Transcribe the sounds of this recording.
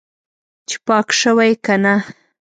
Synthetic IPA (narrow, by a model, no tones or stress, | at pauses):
t͡ʃe̥pɑkʃəwajkana